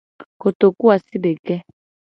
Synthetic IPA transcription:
ko˨t̪o˨ku˦a˨si˦ɖe˨kɛ˦

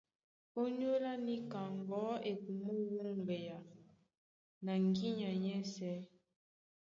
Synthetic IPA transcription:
o˦ɲ˦o˦la˦ni˦ka˨ŋɡɔ˨˦e˨ku˨mu˦wə˦ŋ˨bɛ˨ja˨ | na˨ŋɡi˦ɲa˨ɲɛ˦sɛ˨˦

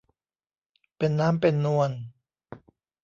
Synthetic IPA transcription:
pe˧nːaː˦˥mpe˧nːu˧ən

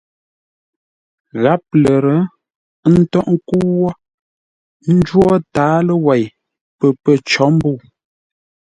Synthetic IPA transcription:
ɣa˨˦p̚lə˨ɾə˨˦ | n̩˦tɔ˦ʔŋ̩˦ku˦wɔ˦ | n̩˦d͡ʒwɔ˦taː˨˦lə˦wɛ˨j | pə˨pə˦t͡ʃɔ˨˦m̩˦bu˦˨

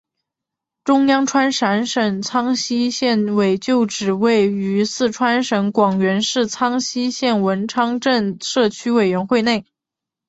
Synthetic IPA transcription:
ʈ͡ʂʊ˥ŋjɑ˥ŋʈ͡ʂʰwa˥nʂa˧˥nʂə˨˩ŋt͡sʰɑ˥ŋɕi˥ɕjɛ˥˩nwe˨˩ɪt͡ɕjo˥˩ʊʈ͡ʂɻ̩˨˩we˥˩ɪy˧˥sɹ̩˥˩ʈ͡ʂʰwa˥nʂə˧˥ŋkwɑ˨˩ŋɥɛ˧˥nʂɻ̩˥˩t͡sʰɑ˥ŋɕi˥ɕjɛ˥˩nwə˧˥nʈ͡ʂʰɑ˥ŋʈ͡ʂə˥˧nʂɤ˥˩t͡ɕʰy˥we˨˩ɪɥɛ˧˥nxwe˥˧ɪne˥˩ɪ

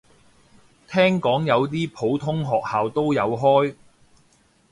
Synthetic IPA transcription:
t̪ʰɛː˥ŋkɔː˨˥ŋjɐ˨˧wt̪̬iː˥pʰo˨˥wt̪ʰʊ˥ŋɦɔː˨k̚haː˨wt̪o˥wjɐ˨˧wɦɔː˥j

